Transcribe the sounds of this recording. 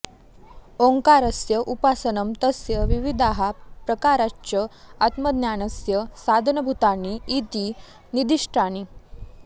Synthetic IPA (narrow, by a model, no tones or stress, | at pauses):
oŋkaɾəsjəʔupasənəmt̪əsjəʋiʋid̪ʱaɦapɾəkaɾat͡ɕəat̪məd̪njanəsjəsad̪ʱənəbʱut̪aniit̪iː | nid̪iʂʈani